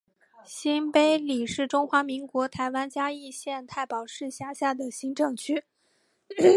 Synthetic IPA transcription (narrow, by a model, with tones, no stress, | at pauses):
ɕi˥npe˥ɪli˨˩ʂɻ̩˥˩ʈ͡ʂʊ˥ŋxwa˧˥mi˧˥ŋkwɔ˧˥t̪ʰa˧˥ɪwa˥nt͡ɕja˥i˥˧ɕjɛ˥˧nt̪ʰa˥˩ɪpɑ˨˩ʊʂɻ̩˥˩˧ɕja˥ɕja˥˩d̪ə˩ɕi˥nʈ͡ʂɤ˥˩ŋt͡ɕʰy˥